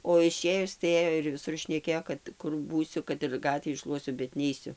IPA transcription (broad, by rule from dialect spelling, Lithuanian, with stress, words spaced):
oː ɪˈʃʲeːjʊs tɐɪ ˈeːjoː ɪr ʋʲɪˈsʊr ʃʲnʲɛˈkʲeːjoː kɐt ˈkʊr ˈbuːsʲʊ kɐt ɪr ˈɡɑːtʲʋʲiː ˈʃlˠuɔsʲʊ bʲɛt ˈnʲɛɪsʲʊ